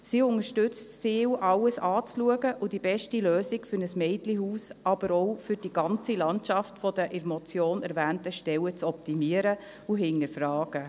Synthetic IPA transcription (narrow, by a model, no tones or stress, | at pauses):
siːʊŋəʃtʏt͡stt͡siːwʔɑwəsɑːt͡sluəɡəʔʊd̥ibɛʃtiløːzikfʏɾnəsmɛɪtlihuːsɑb̥əɾɔwfʏɾd̥iɡɑnt͡silɑntʃɑftfɔd̥̪əʔɛɾmɔt͡sjoːnɛɾvæːntəʃtɛwət͡sɔp̚timiəɾə | uɦɪnːəɾfɾɑːɡ̥ə